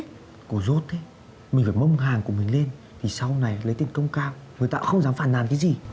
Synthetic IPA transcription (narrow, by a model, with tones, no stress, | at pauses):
ku˧˩zo˦˥t̚t̪ʰe˨˦ | mi̟˨˩faː˧˩mə˧wŋ͡mɦaː˨˩ŋku˧˩əmï˨˩ŋ̟le˧n | vʰi˨˩sa˧wna˨˩jlə˨˦jt̪i˨˩ŋ̟kə˧wŋ͡mkaː˧wŋɨ˨˩əjt̪a̰ː˧˥xə˧wŋ͡mzaː˨˦mfaː˧˩nːa̰ː˨˩nkaː˨˦zi˨˩